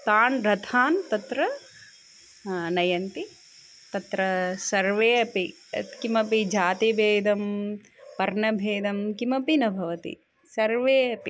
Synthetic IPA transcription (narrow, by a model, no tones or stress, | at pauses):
t̪aːnɾɐt̪ʰaːnt̪ɐt̪ɾɐ | nɐjɐnt̪i | t̪ɐt̪ɾɐsɐɾʋeːɐpi | ɐt̪kimɐpid͡ʒaːt̪ibʱeːd̪ɐm | pɐɾɳɐbʱeːd̪ɐmkimɐpinɐbʱɐʋɐt̪ḭ | sɐɾʋeːɐpḭ